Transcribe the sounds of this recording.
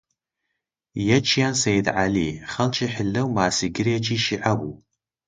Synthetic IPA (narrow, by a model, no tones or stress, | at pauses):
jɛt͡ʃʰijansejdʕaliːχɐlt͡ʃʰiħəɮɐwmaːsiɡɪrjɛt͡ʃʰʼiːʃiʕabu